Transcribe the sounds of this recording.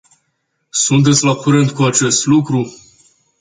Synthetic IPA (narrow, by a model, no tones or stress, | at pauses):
sunt̪̬e̞t̪sʲlakuɾɨnd̪kuat͡ʃe̞st̪lukɾu